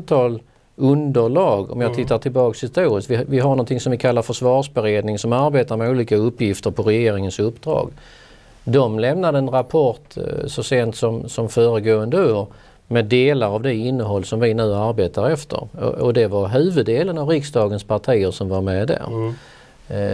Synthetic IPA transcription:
t̪ʰɑːl | ɵnd̪əɭɑːɡɔ̰mjaːt̪ʰɪt̪ːaʈʰɪlbɑːkshɪst̪uːɾɪst̪vɪvɪɦaɾnɔnt̪ʰɪŋsɔmvɪkʰalːaɾfœʂvɑːʂbɛɾeːd̪nɪŋsɔmaɾbeːt̪aɾmɛuːliːkaɵpːjɪft̪əɾpʰɔɾɛjeːɾɪŋənsɵpːd̪ɾɑ̰ːɡ | d̪ɔmlɛmnad̪əɛnɾapʰɔʈsɔseːnt̪sɔmsɔmfœːɾəɡoːənd̪əoːɾ | mɛd̪ːeːlaɾavd̪ɛɪnːəɦɔlːsɔmvɪnʉ̟ːaɾbeːt̪aɾɛft̪ʰə̰ɾ̰ɔd̪ɛvaɾɦʉ̟ːvɵd̪ːeːlənavɾɪksd̪ɑːɡənspʰaʈʰiːəɾʂɔmvaɾmɛd̪æ̰ɾ

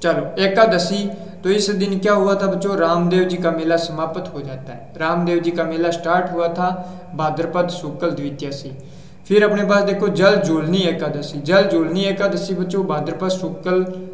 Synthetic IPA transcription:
t͡ʃəloːeːkaːd̪əsiː | t̪oːɪsd̪ɪnkjaːɦʊaːt̪ʰaːbətːt͡ʃoːɾaːmd̪eːwd͡ʒiːkaːmeːlaːsəmaːpət̪ɦoːd͡ʒaːt̪aːɛːɾaːmd̪eːwd͡ʒiːkaːmeːlaːsʈaːɾʈɦʊaːt̪ʰaː | baːd̪əɾpət̪sʊkəld̪ɪʋit̪ɪjaːsiː | pʰɪɾəpɳeːp̬aːsd̪eːkʰːoːd͡ʒəld͡ʒoːlniːɛːkaːd̪əsiːd͡ʒəld͡ʒoːlniːeːkaːd̪əsiːbət͡ʃoːbaːd̪əɾpət̪sʊkːəl

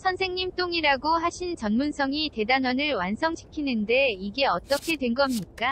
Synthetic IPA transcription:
sʰʌnsʰe̞ŋɲimt͈oŋiɾaɡohaɕʰint͡ɕʌnmunsʰʌŋite̞danʌnɯɭwansʰʌŋɕʰi̥kʰinɯnde̞iɡe̞ʌt͈ʌkʰe̞dwe̞nɡʌmɲik͈a

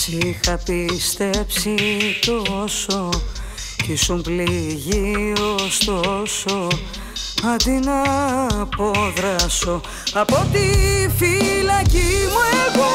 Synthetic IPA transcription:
sixɐpist̪e̞psit̪oso | isumbliʝiost̪oso | ɐnd̪inɐpoðɾɐso̞ | ɐpot̪ifilɐcimueɣo

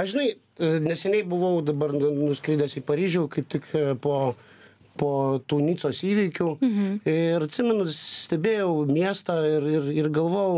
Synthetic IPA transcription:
ɐʒʲɪnɐɪ | nʲɛsʲɛnʲɛɪbʊʋɐʊd̪ɐbɐrnʊsʲkɾʲiːd̪ʲɛsipɐɾʲiːʒʲuːkɐɪp̚t̪ʲɪkpoː | poːt̪uːnʲiːtsoːsiːʋʲiːkʲuː | ɾɐt̪ʲsʲɪmʲɛnʊsʲt̪ʲɛbʲeːjɛʊmʲiɛst̪ɑːɪrɪrɪrɡɐlˠʋoːjɛʊ

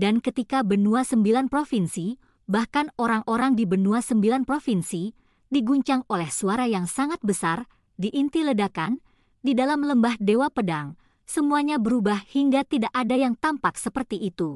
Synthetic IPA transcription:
dankət̪ikabənuasəmbilanpɾofinsi | bahkanoɾaŋʔoɾaŋdibənuasəmbilanpɾofinsi | diɡuɲt͡ʃaŋolɛhsuaɾajaŋsaŋat̪̚bəsar | diʔːnt̪ilədakan | didalamləmbahdewapədaŋ | səmuaɲabəɾubahhiŋɡat̪idaʔadajaŋt̪ampaksəpərt̪iʔit̪u

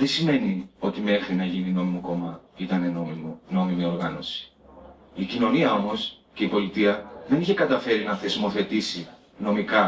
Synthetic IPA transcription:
ðesime̞nio̞t̪imexɾinɐʝinino̞mimoko̞mɐit̪ɐnenoono̞mimio̞ɾɣɐno̞si̥ | icino̞niɐo̞mo̞s | ce̞ipo̞lit̪iɐðe̞niçe̞kɐt̪ɐfe̞ɾinɐθe̞zmo̞θe̞t̪isi | no̞mikɐ

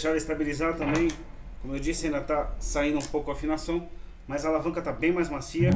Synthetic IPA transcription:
ʃaɾɐɪst̪abilizad̪ɐt̪ɐ̃mbẽj̃ | kõmʊewd͡ʒisɪãd̪ɐt̪asaĩd̪ʊũpowkʊafinasɐ̃w̃ | mɐzɐalavɐ̃ŋkɐt̪abẽj̃majzmasiɐ

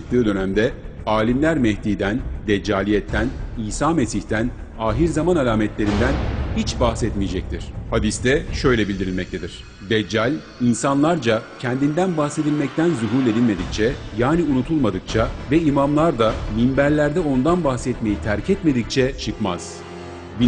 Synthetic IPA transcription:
ɯk̚t̪ɯːd̪ø̞næmd̪ɛaːlʲimlʲæɾmɛhd̪iːd̪ænd̪ɛd͡ʒːaːlʲijɛt̪ʰːæniːsaːmesiçt̪ʰænaːɦiɾzamanalʲaːmɛt̪lʲe̞ɾind̪ænhit͡ʃbaxsɛt̪mijed͡ʒɛc̚t̪ʰiɾ̝̥had̪ist̪ʰɛʃø̞jlʲɛbilʲd̪iɾilʲmɛct̪e̞d̪iɾ̝̥ | d̪ɛd͡ʒːalʲ | insanlˠaɾd͡ʒacʰɛnd̪ind̪ænbaxse̞d̪ilʲmɛc̚t̪ʰænzuɦuɾlʲe̞d̪ilʲme̞d̪ic̚t͡ʃʰɛjaːniunut̪ʰulˠmad̪ɯk̚t͡ʃʰavɛimamlˠaɾd̪aminbæɾlʲæɾd̪ɛo̞nd̪anbaxsɛt̪me̞jit̪ʰæɾcʰɛt̪me̞d̪ic̚t͡ʃʰɛt͡ʃʰɯkmaz̥ | bi

